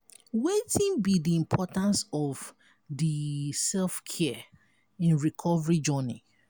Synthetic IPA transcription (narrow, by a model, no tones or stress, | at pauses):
wetĩnbidiĩmpʰɔtãnsɔv | disɛlfkʰɛ | ĩnɹikʰɔvəɹid͡ʒɔnḭ